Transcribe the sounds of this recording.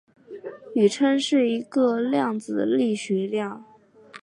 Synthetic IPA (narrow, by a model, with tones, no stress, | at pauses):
y˨˩ʈ͡ʂʰə˥nʂɻ̩˥˩i˧˥ɡə˧ljɑ˥˩ŋd͡zɹ̩˨˩d̪ə̰˦li˥˩ɕɛ˧˥ljɑ˥˩ŋ